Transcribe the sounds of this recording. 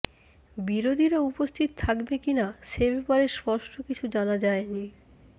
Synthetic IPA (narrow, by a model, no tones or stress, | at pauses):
biɾod̪ʱiɾaupost̪ʰit̪ot̪ʰakbekinaʃebɛpaɾespɔɾʃʈokit͡ɕʰud͡ʑanad͡ʑaeni